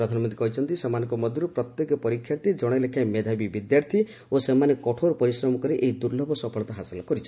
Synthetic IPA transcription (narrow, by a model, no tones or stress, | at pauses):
pɾɔd̪ʱanɔmɔnt̪ɾikɔit͡ʃʰɔnt̪isemanɔŋkɔmɔd̪ʱjuɾupɾɔt̪jekɔpɔɾikʰːjaɾt̪id͡ʒɔɽ̃elekʰamed̪ʱabibid̪jaɾt̪ʰi | osemanekɔʈʰoɾɔpɔɾisɾɔmɔkɔɾiʔeɦid̪uɾlɔbʱɔsɔpʰɔɭɔt̪ɔɦasilɔkɔɾit͡ʃʰḁ